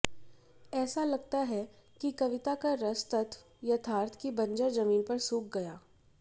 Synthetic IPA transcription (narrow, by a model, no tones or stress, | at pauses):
ɛːsalɐɡt̪aɦɛkikɐʋɪt̪akaɾɐst̪ɐt̪ʰ | jɐt̪ʰaːɾt̪ʰkibɐ̃ɲd͡ʒəɾzɐmiːnpɐɾsuːk̚ɡɐjaː